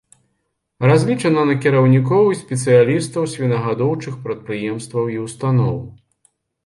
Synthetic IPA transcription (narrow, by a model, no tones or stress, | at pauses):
razʲlʲit͡ʂɐnɐnɐkʲiɾɐwnʲikɔwsʲpʲɛt̪sɨjalʲist̪ɐwsʲvʲinɐɣad̪ɔwt͡ʂɨxpɾɐt̪̚pɾɨjɛmst̪vɐwiwst̪anɔw